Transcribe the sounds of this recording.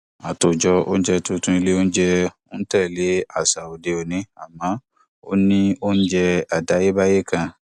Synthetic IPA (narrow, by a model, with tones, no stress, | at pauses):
a˨to˨d͡ʒɔ˧o˦n̩˦d͡ʒɛ˧tũ˧tũ˦i˧le˦o˦n̩˦d͡ʒɛ˦˧o˦tɛ˦˨le˨˦a˦˨sa˨o˨de˨o˨nĩ˨˦a˨mãː˨˦ | o̰˦nĩ˦o˦n̩˦d͡ʒɛ˧a˨da˨˦je˦ba˦je˦˨kã˧